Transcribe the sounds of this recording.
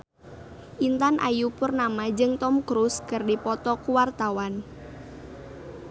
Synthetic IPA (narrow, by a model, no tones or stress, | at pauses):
ʔint̪anʔa̰jupʊrnamad͡ʒɨŋt̪ɔmkɾuskərdipɔt̪ɔkuwart̪awan